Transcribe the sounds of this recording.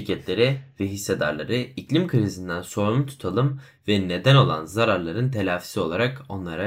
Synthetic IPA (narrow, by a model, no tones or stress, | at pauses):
cʰɛt̪ʰlʲe̞ɾivɛɦisːed̪a̰ɾlˠa̰ɾɯiclʲimkʰɯɾizind̪ænso̞ɾumt̪ʰu̥t̪ʰalˠɯm | vɛne̞d̪æno̞lˠa̰nzaɾaɾlˠaɾɯnt̪ʰe̞lʲaːfi̥sio̞lˠaɾako̞nlˠaɾa